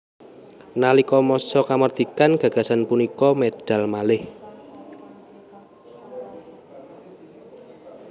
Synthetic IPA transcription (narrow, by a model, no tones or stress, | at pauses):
nalikɔmɔsɔkamərd̪̥i̤kanɡ̥a̤ɡ̥a̤sanpunikɔmed̪̥a̤lmalɪh